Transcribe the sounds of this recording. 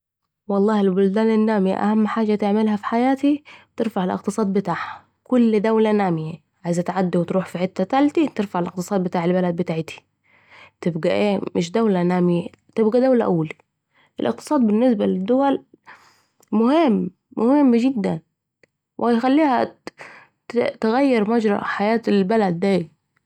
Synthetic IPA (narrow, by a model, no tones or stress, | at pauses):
wɑlˤːɑːhɪlbʊld̪aːnɪnːaːmiʔa̰hamːħaːʒat̪ɪʕmɪlhafi̥ħajaːt̪it̪ɪɾfaʕɪlʔɪ̰qt̪ɨsˤɑːd̪̚bɪt̪aːʕha | kʊlːd̪awlanaːmɪja | ʕajzt̪ʕad̪ːawɪt̪ɾuːħfiʕɪt̪ːat̪alt̪it̪ɪɾfaʕɪlʔɪq̚t̪ɨsˤɑːd̪̚bɪt̪aːʕɪlbalad̪̚bɪt̪aːʕt̪i̥ | t̪ɪbɡaʔeːmɪʃd̪awlanaːmɪja | t̪ɪbɡad̪awlaʔawːali | ʔɪlʔɪ̰q̚t̪ɨ̥sˤɑːd̪̚bɪnːɪs̬balɪd̪ːʊwal | mʊhɪmː | ʊhɪmːd͡ʒɪd̪ːan | wʔjxalːiːha | t̪ɪɣajːɑɾˤmad͡ʒɾˤɑ̰ʔħajaːt̪ɪlbalad̪ːaː